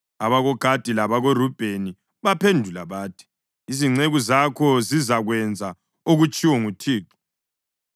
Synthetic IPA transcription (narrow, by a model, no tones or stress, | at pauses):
aβaɣɔɡ̥ʱad̥ʱilaβaɣorub̥ʱeni | βapʰendʱulaβaːtʰi̥ | iziŋ͡ǀeɣuzakʰɔzizaɣwɛnd͡zʱa | oɣut͡ʃʼiwɔŋutʰiːǁɔ̥